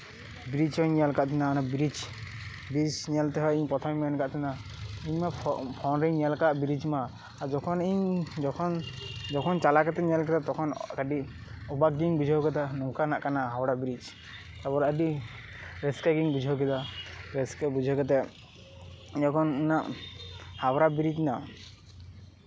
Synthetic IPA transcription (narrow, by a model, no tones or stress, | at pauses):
biɾid͡ʒhɔɲnialkaʔt̪ʰinanabiɾid͡ʒ | biɾid͡ʒnialt̪ɛɦɔjiɲpɔt̪ʰɔmmankaʔt̪ʰina | iɲmapʰɔnɾiɲnialkaʔbiɾid͡ʒma | aɾd͡ʒɔkʰɔniɲd͡ʒɔkʰɔnd͡ʒɔkʰɔnt͡ʃalakɛt̪ɛnialk̬ɛd̪at̪ɔkʰɔnkaɖiɔbaɡiŋbud͡ʒʱɔkɛt̪ɛnɔkanaʔkanaɦawɔɾabiɾid͡ʒ | t̪abɔɾadi | ɾɛskaɡiŋbud͡ʒʱɔkɛd̪aɾɛskɛbud͡ʒʱɔkɛt̪ɛ | ɲɔkʰɔnnaʔ | hawɾabiɾid͡ʒna